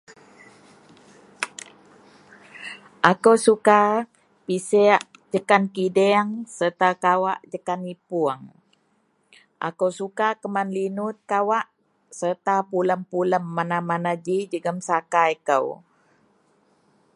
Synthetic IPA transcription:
ʔakəwsuka | pisɛaʔd͡ʒəkankidɛaŋsərt̪akawaʔd͡ʒəkanipuəŋ | ʔa̰kəwsukakəmanlinut̪̚kawaʔ | sərt̪apuləmpuləmːanamanad͡ʒid͡ʒəɡəmsakajkəw

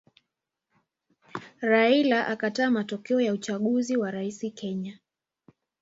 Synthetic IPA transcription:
ɾailaʔakataːmatɔkɛɔjaut͡ʃaɠuziwaɾaisikʰɛɲa

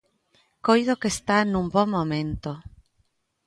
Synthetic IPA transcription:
kojðokest̪anũmbõmmːõmẽnt̪o

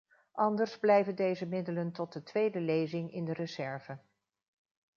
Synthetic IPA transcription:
ʔɑndəɹzblɛjvəndejzəmɪdələntɔt̚dətʋejdəlejzɪŋɪndərəzɛɹvə

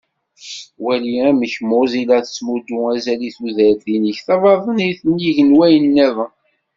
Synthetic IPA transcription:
wæliæməçmʊzilæθə̥t͡sːmud̪uæzæliθuðəɾðinəçθɑvˤɑðˤəniθənjiʝənwæjənːæðˤə

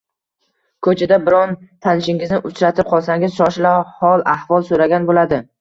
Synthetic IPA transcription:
kʰɵt͡ʃʰad̪abɪɾɒnt̪ʰanɪʃɪŋɪznɪʔʊt͡ʃʰɾat̪ʰɪp̚qʰɒlˠsaŋʲɪz̥ʃɒʃɪlahɒlˠahvɒlˠsoɾaɡʲanbolad̪ɪ

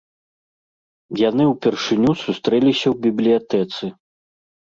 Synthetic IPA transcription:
janɨwpʲɛrʂɨnʲusust̪ɾɛlʲisʲɐwbʲiblʲijat̪ɛt̪sɨ

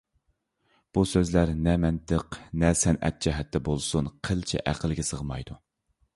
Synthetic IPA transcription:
b̥usøzlæɾnɛmɛnt̪əqnɛsɛnʔɛ̰t̪̚d͡ʒɛɦɛt̪ːɛbolˠsunqʰəlt͡ʃʰɛ̰ʔæqʰəlɡʲɛsəʁmɑjd̪̥u

